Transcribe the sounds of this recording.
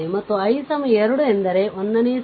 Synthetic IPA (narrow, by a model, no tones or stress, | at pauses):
imɐt̪ːuɐjsɐmɐeɾuɽuend̪ɐɾeonːɐniː